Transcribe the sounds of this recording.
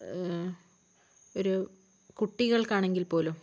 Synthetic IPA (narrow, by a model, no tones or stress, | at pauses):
oɾu | kuʈːiɣɐɭkaːɳeŋɡilpo̞ːlum